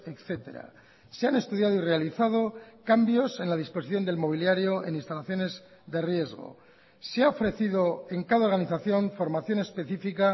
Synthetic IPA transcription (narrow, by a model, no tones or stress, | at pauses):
ekθe̞t̪e̞̰ɾa̰ | seane̞st̪uðjaðoire̞aliθað̞okambjo̞se̞nlað̞ispo̞si̥θjo̞nd̪e̞lmo̞β̞iljaɾjo̞e̞̰ninst̪alaθjo̞ne̞z | ðe̞rje̞zɣo̞̰ | seaofɾe̞θiðo̞e̞ŋkaðao̞ɾɣaniθaθjo̞ɱfo̞ɾmaθjo̞ne̞spe̞θifika